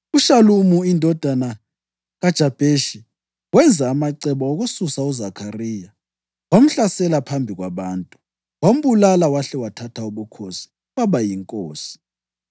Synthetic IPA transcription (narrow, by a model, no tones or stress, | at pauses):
uʃalumuindʱɔd̥ʱana | ɣad̥ʒ̥ʱab̥ʱeʃi | wɛnd͡zʱaːmaǀɛβɔoɣususauzakʰariːja | wam̩ɬasɛlapʰambʱiɣwaβaːntʼu | wam̩βulalawaɬɛwatʰatʰauβukʰosi̥ | waβajiŋkʼoːsi̥